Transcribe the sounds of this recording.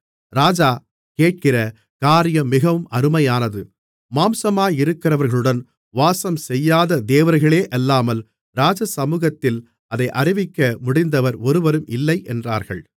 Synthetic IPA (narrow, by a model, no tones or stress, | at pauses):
ɾaːd͡ʒaː | keːʈ̚kɪrɐ | kaːɾɪjɐmːɪɣɐʋɯmɐɾɯmɐjaːnɐðɯ | maːmsɐmaːjɪɾɯkːɪrɐʋɐɾɣɐɭɯɽɐn | ʋaːsɐmsɛjːaːðɐd̪eːʋɐɾɣɐɭeːʔɐlːaːmɐl | ɾaːd͡ʒɐsɐmuːɣɐt̪ːɪl | ɐðɐɪʔɐɾɪʋɪkːɐmʊɽɪnd̪ɐʋɐɾɔɾɯʋɐɾɯmɪlːɐɪʔɛndra̰ːɾɣɐɭ